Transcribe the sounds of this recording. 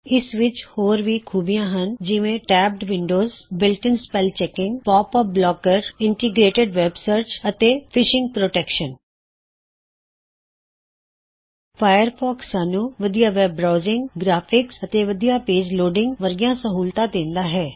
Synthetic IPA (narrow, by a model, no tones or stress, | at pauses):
ɪsʋɪt͡ʃhoːɾʋiːkʰuːbijãːɦənd͡ʒɪʋẽːʈɛːb̚ʈʋɪɳɖoːzbɪlʈənspɛːlt͡ʃɛːkɪ̃ŋɡpɔːpɔblɔːkəɾɪɳʈiɡɾeːʈəɖʋɛːbsəɾt͡ʃət̪eːpʰɪʃɪ̃ŋɡ̚pɾoːʈɛːkʃən | pʰaːjəɾpʰɔːksãːnũːʋəd̪ijaːʋɛːbɾaːzɪŋɡɡɾaːpʰɪksət̪eːʋəd̪ijaːpeːd͡ʒloːɖɪŋɡʋəɾɡijãːsəɦuːlt̪ãːd̪ẽːnd̪aːɦɛː